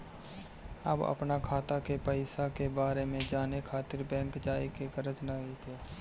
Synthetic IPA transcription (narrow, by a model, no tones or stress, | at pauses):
ə̰bə̰pnakʰaːt̪akepəɪsakebaːɾemẽd͡ʒaːnekʰaːt̪ɪɾbɛ̃ːŋkd͡ʒaːikeɡəɾət͡ʃnaːɡekeː